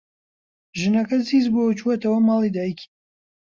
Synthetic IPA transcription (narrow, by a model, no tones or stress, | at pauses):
ʒɨnɐkɐziːzbot͡ʃuɐt̪ɐwɐmɑːlˠid̪aːjikʰi̥